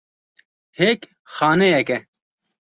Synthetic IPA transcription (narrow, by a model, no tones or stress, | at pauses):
heːk | xaːnejɐke